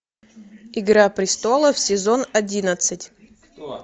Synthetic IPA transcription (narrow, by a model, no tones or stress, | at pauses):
ɪɡɾapɾʲɪst̪o̞lˠəfsʲɪzo̞nɐdʲinət̪sɨtʲ